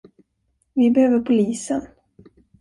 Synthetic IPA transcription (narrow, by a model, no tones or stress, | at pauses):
vɪbɛhøːvəɾpʰʊliːsən